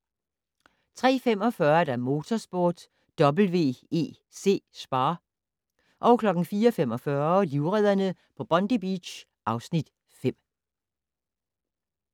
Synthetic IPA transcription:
t͡sʰʁɛ̰ːfem̰ɒ̽fɶɐd̥æɐmo̝ːt͡sʰɒsb̥o̝ːd̥ː | ɒ̽bl̩ʋe̝̰ːe̝̰ː | se̝̰ːsb̥ɑ̈ː | ʔɒ̽ʊkʰlɒ̽ɡ̥n̩fiːɒfem̰ɒ̽fɶɐliʊʁɛð̞̰ˠɐnəpʰɒ̽b̥ɒ̽nd̥ib̥ḭ̥ɕ | ʔɑ̈ʊsnid̥ | fem̰

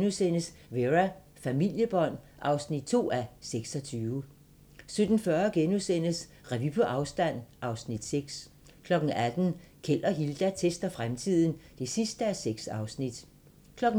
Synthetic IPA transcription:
nusen̰əsʋeʁæ | fæmil̰jəb̥ɒ̽n̰ | ʔɑ̈ʊsnid̥̚t͡sʰo̝̰ːæseɡ̥sɒ̽t͡sʰyːʊə | sød̥n̩fɶɐɡ̥enusen̰əs | ʁɛʋipʰoʔɑ̈ʊsd̥æn̰ʔɑ̈ʊsnid̥seɡ̥s | kʰlɒ̽ɡ̥n̩æd̥n̩kʰel̰ɐɦild̥æt͡sʰesd̥ɐfʁamt͡sʰið̰ˠn̩d̥e̝sisd̥əæseɡ̥sɑ̈ʊsnid̥ | kʰlɒ̽ɡ̥̩

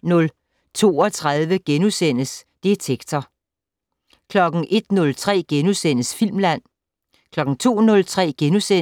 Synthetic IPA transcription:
nɔ̽l | t͡sʰo̝̰ːɒt͡sʰʁað̞ˠʋəɡ̥enusen̰əsd̥e̝t͡sʰeɡ̥t͡sʰɐ | kʰlɒ̽ɡ̥ŋ̩ʔe̝d̥nɔ̽lt͡sʰʁɛ̰ːɡ̥enusen̰əsfil̰mlæn̰ | kʰlɒ̽ɡ̥ŋ̩t͡sʰo̝̰ːnɔ̽lt͡sʰʁɛ̰ːɡ̥enuse

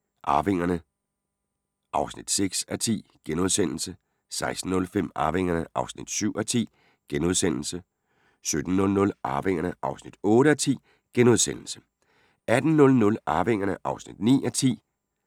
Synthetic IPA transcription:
ʔɑ̈ːʋe̝ŋ̰ɐnə | ʔɑ̈ʊsnid̥seɡ̥sæt͡sʰḭːɡ̥enoð̞ˠsen̰l̩sə | sɑ̈ɪsd̥n̩ːɔ̽lfem̰ɑ̈ːʋe̝ŋ̰ɐnəʔɑ̈ʊsnid̥syʊ̰æt͡sʰḭː | ɡ̥enoðˠsen̰l̩sə | sød̥n̩ːɔ̽lnɔ̽lʔɑ̈ːʋe̝ŋ̰ɐnəʔɑ̈ʊsnid̥ɔ̽ːɾəæt͡sʰḭː | ɡ̥eno̝ðˠsen̰l̩sə̥ | æd̥n̩nɔ̽lnɔ̽lɑ̈ːʋe̝ŋ̰ɐnəʔɑ̈ʊsnid̥nḭːæt͡sʰḭː

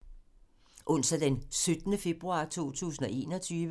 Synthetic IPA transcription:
ʔɔ̽n̰sæd̥ensød̥nəfe̝b̥ʁuɑ̰̈ːt͡sʰo̝̰ːt͡sʰṵːsn̩ɒ̽e̝̰ːnɒ̽t͡sʰyːʋ

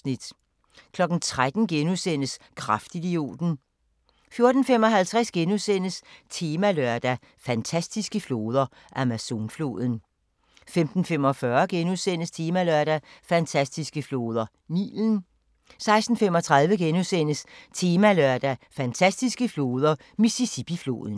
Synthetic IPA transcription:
nid̥ | kʰlɒ̽ɡ̥n̩t͡sʰʁad̥n̩ɡ̥enusen̰əs | kʰʁafd̥id̥io̝̰ːd̥n̩ | fjo̝ɐd̥n̩fem̰ɒ̽ɦælt͡sʰʁasɡ̥enusen̰əst͡sʰe̝ːmæløɐ̰d̥æ | fænt͡sʰæsd̥isɡ̥əflo̝ːð̞ˠɐ | ʔæmæso̝ːnflo̝̰ːðˠən̩ | femd̥n̩fem̰ɒ̽fɶɐɡ̥enusen̰əst͡sʰe̝ːmælœɐd̥æfænt͡sʰæsd̥isɡ̥əflo̝ːð̞ˠɐ | nḭːln̩ | sɑ̈ɪsd̥n̩fem̰ɒ̽t͡sʰʁɑ̈ð̞ˠʋəɡ̥enusen̰əst͡sʰe̝ːmælœɐ̰d̥æfænt͡sʰæsd̥isɡ̥əflo̝ːð̞ˠɐ | misisib̥iflo̝̰ːðˠn̩

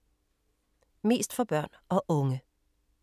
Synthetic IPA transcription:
me̝̰ːsd̥fɒb̥ɶɐ̰nɒʔɔŋə

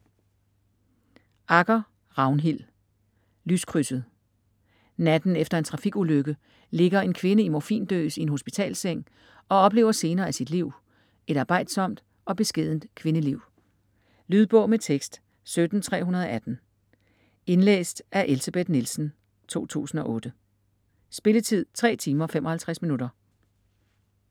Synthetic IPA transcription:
ʔɑ̈ɡ̥ɐ | ʁɑ̈ʊnɦil̰ | lyskʰʁysəð̩ˠ | næd̥n̩efd̥ɐe̝nt͡sʰʁɑ̈fiɡ̥uløɡ̥ə | le̝ɡ̥ɐe̝nkʰʋe̝nəimɒfḭːnd̥ø̰ːsienɦho̝sb̥it͡sʰɛ̰ːlseŋ̰ | ɒ̽ɒ̽b̥le̝̰ːʊɐse̝ːnɐːæsid̥liʊ̰ | e̝ɾɑ̈ːb̥ɑ̈ɪ̰d̥sɒ̽m̰d̥ | ɒ̽b̥e̝sɡ̥e̝ð̰ˠn̩d̥kʰʋe̝nəliʊ̰ | lyð̞ˠb̥ɔ̽ʊ̰met͡sʰeɡ̥sd̥ | sød̥n̩t͡sʰʁɛ̰ːɦunɐð̞ˠɒ̽ʔæd̥n̩ | e̝nlḛːsd̥ʔæɐʔe̝lsæb̥ed̥nilsn̩ | t͡sʰo̝̰ːt͡sʰṵːsn̩ɒ̽ʔɔ̽ːd̥ə | sb̥e̝lət͡sʰið̰ˠt͡sʰʁɛ̰ːt͡sʰiːmɐfemɒ̽hælt͡sʰʁasminud̥ɐ

